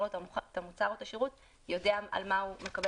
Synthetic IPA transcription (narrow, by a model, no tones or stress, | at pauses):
otat̪amut͡saʁot̪aʃiʁut | jo̞deaa̰lmaume̞kabe